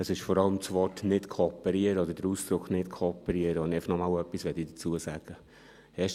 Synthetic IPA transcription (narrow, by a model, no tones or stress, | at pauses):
əsɪʃfɔɾɑləmt͡svɔrtnɪtkʰoːpəɾiəɾəɔd̪əɾdəɾuːsd̪̥ɾʊkχnɪtkʰɔːpəɾiəɾəonɪɛɪfəχnɔmɑːwœpːisʋɛtidət͡suəsaːɡ̥ə | hɛʃ